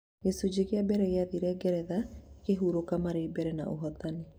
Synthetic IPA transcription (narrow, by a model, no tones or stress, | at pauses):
jɛsod͡ʒeɣeabɛɾɛɣeaðiɾɛɡɛɾɛðakeɦuɾokamaɾeibɛɾɛna̰ʔo̰ɦɔt̪ane